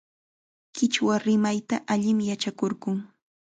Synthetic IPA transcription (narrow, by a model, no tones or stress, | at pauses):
kɪt͡ʃwaɾɪmajt̪aʔaʎɪmjat͡ʃakoɾɢʊŋ